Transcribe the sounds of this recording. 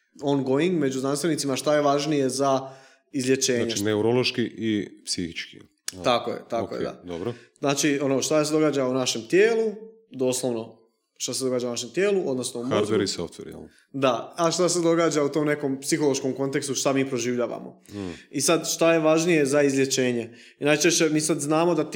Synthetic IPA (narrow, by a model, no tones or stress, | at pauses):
onɡoiŋɡme̞d͡ʑuznanst̪ʋe̞nit̪imaʃt̪aje̞ʋaʒnije̞za | izlʲjet͡ʃe̞ːɲeneuɾolˠoʃkiʔipsixit͡ʃki | t̪akojḛt̪akoj̰d̪a̰d̪obɾoznaːt͡ʃionoʃt̪ased̪o̞ɡaːd͡ʒaunaʃe̞mt̪jeːlˠu | d̪o̞ːslˠoʋno̞ | ʃt̪ased̪o̞ɡaːd͡ʒaunaʃe̞mt̪je̞ːluʔo̞d̪no̞snoumat̪eɾiso̰ft̪ʋḛɾjɛ̰l | d̪aaʃt̪ase̞d̪o̞ɡaːd͡ʒaut̪omne̞ko̞mpsixolo̞ʃkomko̞nt̪e̞kst̪uʃt̪amiːpɾo̞ʒiːʋʎaːʋa̰mo̰isad̪ʃt̪aje̞ʋaʒnije̞zaizlʲje̞t͡ɕe̞ːɲe̞ | inajt͡ʃe̞ʃt͡ɕe̞miːsad̪znaːmo̞d̪at̪